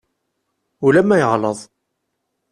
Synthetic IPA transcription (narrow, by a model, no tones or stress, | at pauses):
ulæmːæjəʁləðˤ